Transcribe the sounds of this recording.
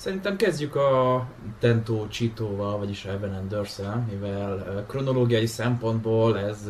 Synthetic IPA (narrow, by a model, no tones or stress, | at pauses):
sɛɾint̪ɛmkɛzɟykɒ | t̪ɛnt̪oːt͡ʃit̪oːvɒlvɒɟiʃɛbɛnɛnd̪ørsɛlmivɛlkro̞no̞loːɡijɒjisɛmpo̞nd̪boːlɛz